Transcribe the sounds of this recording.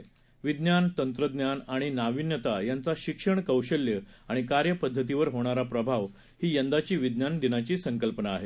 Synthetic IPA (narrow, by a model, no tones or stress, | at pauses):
ʋid̪njant̪ənt̪ɾəd̪njanaɽ̃inaʋinjət̪ajant͡saɕikʂəɳkəwɕəljəaɽ̃ikaɾjəpəd̪ʱːət̪̬iʋəɾɦoɽ̃aɾapɾəbʱaʋ | hiːjənd̪at͡ɕiːʋid̪njand̪inat͡ɕiːsəŋkəlpənaːɦe